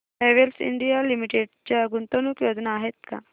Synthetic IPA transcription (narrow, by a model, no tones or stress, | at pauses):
eʋelsḭɳɖijalimiʈeɖt͡ɕjaɡunt̪onuːkjod̪naːɦet̪̚ka̰